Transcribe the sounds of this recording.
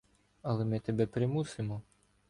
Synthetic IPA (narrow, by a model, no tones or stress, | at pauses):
ɐlˠɛmɪt̪ɛbɛpɾɪmusɪmɔ